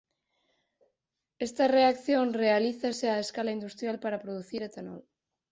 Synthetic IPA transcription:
est̪areakθjonrealiθaseaeskalaind̪ust̪ɾjalpaɾapɾoðuθiɾat̪anɔ̰l

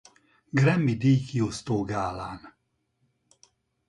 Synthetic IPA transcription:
ɡrɛmːid̪ijkiost̪oːɡaːlaːn

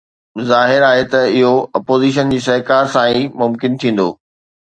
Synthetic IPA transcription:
zaːɦɪɾaːɦet̪ɐɪɦoɐpoːziːʃ̬ənd͡ʑiːs̬ɐɦkaːɾsãːĩmʊmkɪnt̪ʰĩːn̆d̪o̰ː

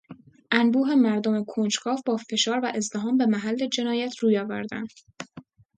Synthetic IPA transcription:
ʔænbuːɦe̞mæɾd̪ome̞kʰont͡ʃkʰɒːvbɒːfe̞ʃɒːɾvæʔe̞zd̪eɦɒːmbe̞mæɦælːe̞d͡ʒe̞nɒːjæt̪ʰɾuːjɒːvæ̰ɾd̪æ̰nd̪̥

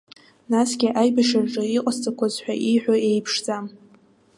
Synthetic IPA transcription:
nasɡʲɪʔajbaʃarʈ͡ʂʼɨiqʼast͡sʼakʷʰazħʷᶣa̰ʔiħʷᶣaejpʰʂd͡zam

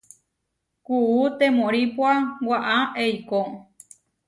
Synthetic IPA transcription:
kuut̪ẽmõɾipwawaʔaejko

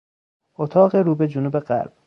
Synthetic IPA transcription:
ot̪ʰɒːɣeɾuːbed͡ʒonuːbeɢæ̰ɾb̥̚

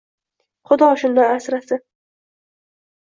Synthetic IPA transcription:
χʊd̪ɒʃʊnd̪ajasɾasɪ

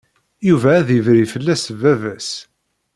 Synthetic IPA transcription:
juvæːðiəvɾifəlːæsəvævæs

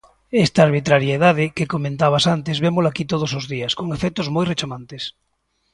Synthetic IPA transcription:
est̪aːɾβ̞it̪ɾaɾjaeðað̞ekekomẽnt̪aβ̞asant̪ezβemolakit̪oð̞osozðiɐskoŋefɛk̚t̪ozmojret͡ʃamãnt̪es

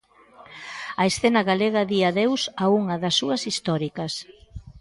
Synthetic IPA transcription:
ɐesθenɐɣaleɣɐðiaðewsauŋɐðɐsːuɐsist̪ɔɾikɐs

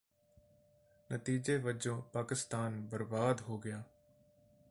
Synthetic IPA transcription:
nət̪iːd͡ʒeʋəd͡ʒõːpaːkɪst̪aːnbəɾbaːd̪ɦoːɡɪjaː

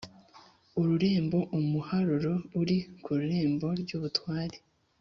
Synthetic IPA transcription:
uɾuɾe̞ːmbo̞ʔumuhaɾuɾo̞uɾikuɾuɾe̞ːmbo̞ɾɟuːβutwaːɾe

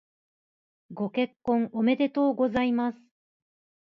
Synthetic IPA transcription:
ɡo̞ke̞kːõ̞ŋome̞d̪e̞t̪o̞ːɡo̞zaimasɨ̥

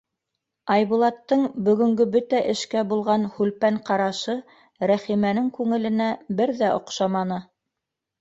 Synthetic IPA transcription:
ɑjβulˠɑt̪ːɤɴbɵ̆ɡɵ̆ŋɡɵbɵt̪æʔɘ̆ʃkæbulˠʁɑnhʉlpæɴqɑɾɑʃɤ | ɾæχimænɘŋkʉŋɘ̆lɘ̆næbɘɾðæʔŏ̰qʃɑmɑnɤ

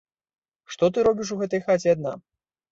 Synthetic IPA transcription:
ʂt̪ɔt̪ɨɾɔbʲiʂ̬uɣɛt̪ɐjxat͡sʲɛad̪na

